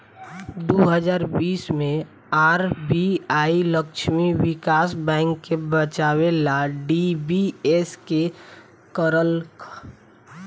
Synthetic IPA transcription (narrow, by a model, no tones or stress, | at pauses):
d̪oɦəd͡ʒaːɾbiːsmẽ | aːɾbiaːiləkʃʰmiwɪkaːsbɛ̃ːŋkːebət͡ʃawelaɖibieske | kəɾəlk